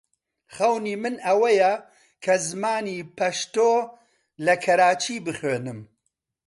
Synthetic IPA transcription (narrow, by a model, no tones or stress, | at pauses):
χɐwniːmɨnɐwɐjɐ | kʰɐzɨmaːniːpʰɐʃt̪oː | lɐkʰɐɾaːt͡ʃʰiːbɨχweːnɨm